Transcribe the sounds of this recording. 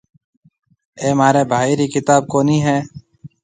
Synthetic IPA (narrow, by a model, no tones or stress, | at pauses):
eːmaːɾeːbʱaːiːɾiːkɪt̪aːb̚koːniːɦɛː